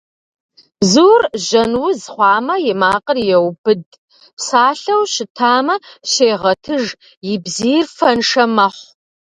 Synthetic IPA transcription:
bzuːrʒɐnwʊzχʷɑːmɐjɛmaːqʼərjɛwbɨd̚ | psaːɬɐwɕɪtʰaːmɐɕeːʁɐtʰɨʒ | jɪbziːrfɐnʂɐmɐħʷ

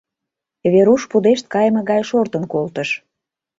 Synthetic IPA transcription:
βeɾuʃpud̪eʃt̪̚kɑjmɤ̆ɣɑjʃort̪ə̆nkolt̪əʃ

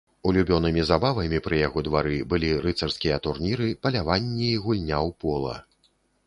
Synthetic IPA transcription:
ulʲubʲɔnɨmʲizabavɐmʲipɾɨjaɣɔd̪vaɾɨbɨlʲiɾɨt̪sɐrskʲijɐt̪urnʲiɾɨpɐlʲavanʲːiːɣulʲnʲawpɔlˠɐ̰

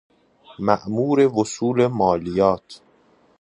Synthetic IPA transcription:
mæʔmuːɾevosuːlemɒːlijɒːt̪ʰ

